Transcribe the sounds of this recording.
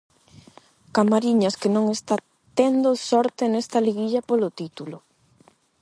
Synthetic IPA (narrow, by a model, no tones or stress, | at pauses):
kamaɾiɲɐskenõŋest̪a | t̪end̪osɔɾt̪enest̪ɐliɣiʎɐpolot̪it̪ulo